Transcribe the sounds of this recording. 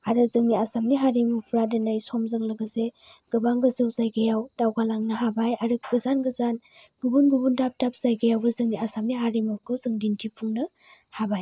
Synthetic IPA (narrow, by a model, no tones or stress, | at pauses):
aɾɯzɯŋniasamniɦaɾimupʰɾadɐnajsɔmzɯŋlɯɡɯzeɡ̥ɯbaŋɡɯzɯwzajɡajawd̥awɡalaŋnɯɦabajaɾɯk̚ɡɯzanɡɯzanɡubunɡubundap̚tap̚z̥ajɡajawbɯzɯŋniasamniɦaɾimukʰɯwzɯŋdintʰipʰuŋnɯ | habaj